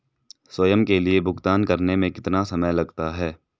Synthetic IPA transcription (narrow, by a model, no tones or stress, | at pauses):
swɐjəmkeliebʱʊɡt̪aːnkɐɾnemẽkɪt̪nasɐməjlɐɡt̪aɦɛː